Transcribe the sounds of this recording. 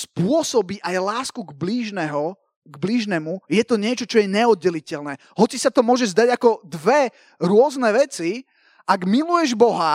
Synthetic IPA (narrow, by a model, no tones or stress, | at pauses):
spʊɔsɔbiʔajlaːskuɡbliːʒnɛɦɔ | ɡbliʒnɛmujɛt̪ɔɲɪɛt͡ʃɔt͡ʃɔjɛɲɛɔd̪̚ɟːɛlicɛlnɛ | ɦɔt͡sisat̪ɔmʊɔʒɛzd̪aɟakɔd̪ʋɛ | ɾʊɔznɛʋɛt͡si | ʔaɡmilujɛʒbɔɦa